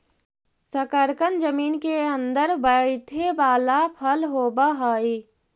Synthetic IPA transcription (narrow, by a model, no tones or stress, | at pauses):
səkəɾkənd͡ʒəmiːnkeə̃nd̪əɾbəit̪ʰebaːlapʰəlɦoːbaɦəːi